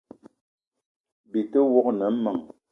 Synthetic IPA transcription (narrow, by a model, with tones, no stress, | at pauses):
bi˨tə˦wɔ˦k̚nə˨m̩˦mə˨ŋ